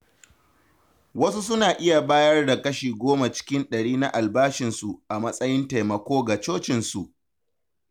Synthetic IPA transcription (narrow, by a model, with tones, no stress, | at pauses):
wɐ˦su˦sʊ˦naː˨ʔɪ˦ja˨baː˦jɐ˦rda˨kɐ˦ʃiː˨ɡʷoː˦ma˨t͡ʃɪ̥˦kʲɪ˦nɗɐ˨ɽiː˦na˦ʔa˨lbaː˦ʃɪ˨nsu˨ʔa˨mɐ˦sʼɐ˦jɪ˦nta˨jmɐ˨kʷoː˦ɡa˨t͡ʃoː˦t͡ʃɪ˨nsu˨ʔ